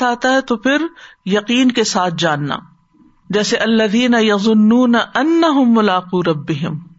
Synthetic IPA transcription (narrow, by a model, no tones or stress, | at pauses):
aːt̪aɦɛt̪opʰɪɾjɐqiːnkesaːt̪̚ʰd͡ʒaːnːa̰ | d͡ʒɛːseʔɐlːɐðiːnɐjɐðˤʊnːuːnaʔɐnːɐɦʊmːʊlaːquːɾɐbːɪɦɪm